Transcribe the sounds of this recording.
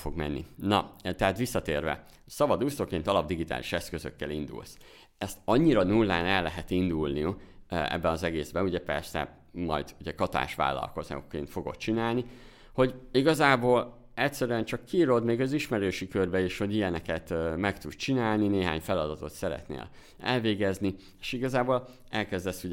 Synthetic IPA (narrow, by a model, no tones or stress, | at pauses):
foɡmɛ̰nːḭnɒt̪ɛɦaːt̪ʋisːɒt̪eːrvɛ̰ | sɒbɒd̪ust̪okeːnt̪ɒlɒb̚d̪iɡit̪a̰ːliʃɛskøzø̰kːɛlind̪ṵls | ɛst̪ɒɲːiɾɒnulːa̰ːnɛlːɛɦɛt̪ind̪ulniuɛ̰bːɛnɒzɛɡeːzbɛuɟɛpɛrsɛ̰ | mɒ̰jd̪̥uɟɛkɒt̪a̰ːʃʋa̰ːlːɒ̰lko̞zn̰okːḛːnt̪fo̞ɡo̞̰t̪̚t͡ʃinaːlni | ho̞ɟiɡɒzaːboːl | ɛcsɛɾyɛnt͡ʃɒkʰːiːɾod̪meːɡɒziʃmɛɾøːʃikørbɛiːʃho̞ɟijɛnɛkɛt̪mɛkt̪ud̪t͡ʃinaːlnineːɦa̰ːɲfɛlɒd̪ɒt̪o̞t̪sɛɾɛ̰t̪nḛːl | ɛ̰lveːɡɛzni | eːʃiɡɒzaːboːl | ɛlkɛzd̪ɛsːuɟ